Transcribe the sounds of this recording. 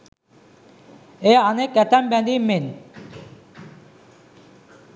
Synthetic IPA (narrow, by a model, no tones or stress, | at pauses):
eanekɛt̪ambɛ̃nd̪imen